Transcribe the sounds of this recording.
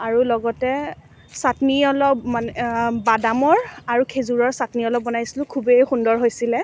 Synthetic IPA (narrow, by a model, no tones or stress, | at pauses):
aɹulɔɡɔtɛ | satniɔlɔpmanɛbadamɔɹaɹukʰezuɹɔɹsatniɔlɔb̚bɔnajsilʊ̃kʰubejxundɔɹɦojsilɛ